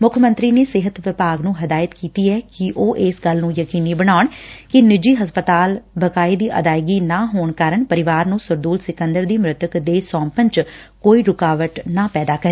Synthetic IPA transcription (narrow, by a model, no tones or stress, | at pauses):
mʊkʰmə̃nt̪ɾiːneːsɪɦət̪ʋɪpaːɡnũːɦəd̪aːjət̪kiːt̪iːɛːkɪʔoːʔɪsɡəlnũːjəkiːniːbəɽaːʊɳkɪnɪd͡ʒiːɦəspət̪aːlbəkaːiːd̪iːʔə̰d̪aːɪɡiːnaːɦoːɳkaːɾəɳpəɾɪʋaːɾnũːsʊɾd̪uːlsɪkə̃nd̪əɾd̪iːmɾɪt̪əkd̪eːsɔ̃ːmpənt͡ʃ | koːiːɾʊkaːʋəʈnaːpɛːd̪aːkəɾeː